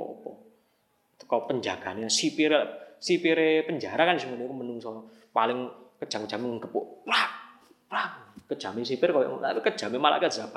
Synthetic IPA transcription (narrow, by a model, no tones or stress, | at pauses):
ɔ̰pɔ̰ | t̪ə̥kɔpəɲd͡ʒaɡ̥a̤neasipiɾelaʔsipiɾepəɲd͡ʒaɾakanisiŋənekumənuŋsɔ | palɪŋkəd̥ʒ̥aŋkəd̥ʒ̥a̤meŋəŋɡəpo̰ʔpla | plakəd̥ʒ̥a̤mɪnsipɪrkojɔ̰at̪kəd̥ʒ̥a̤memala̰ʔkad̥ab̥a